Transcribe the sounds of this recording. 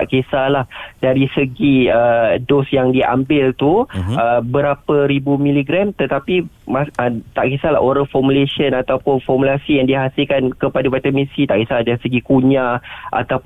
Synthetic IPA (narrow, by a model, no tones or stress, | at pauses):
aʔkesalahdaɾisəɡiədɔsjaŋdiʔa̰mbɪlt̪uəbəɾapəɾibumĩliɡɾamt̪ət̪api | maət̪aʔkesala̰ʔoɾaŋfɔmuleʃənat̪awpʊnfɔrmulasijaŋdiaɦasilkankəpadawat̪əmĩsit̪aʔkesaladaɾisəɡikuɲãʔa̰t̪ap